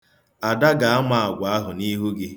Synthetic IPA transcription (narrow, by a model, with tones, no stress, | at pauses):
a˨da˦ɡa˨a˦ma˦˨a˨ɡʷa˨a˦ɦʊ˨ni˦ɦu˦ɡɪ˦